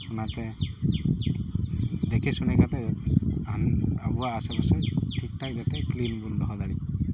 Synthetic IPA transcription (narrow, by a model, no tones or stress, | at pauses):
unat̪ɛ | d̪ɛkʰɛsunɛkat̪ɛanabuwaːsɛpasɛtʰik̚takzat̪ɛklimbund̪ɔɦɔd̪aɹi